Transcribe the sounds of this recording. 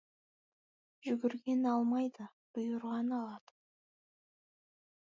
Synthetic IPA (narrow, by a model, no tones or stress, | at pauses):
ʒʏɡʲɪɾɡʲe̞nɑlˠmɑjd̪ə | b̥ʊjəɾʁɑnɑlˠɑd̪̥ə